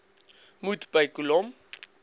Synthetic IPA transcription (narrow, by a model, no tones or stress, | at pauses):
mut̪b̥ajkulɔm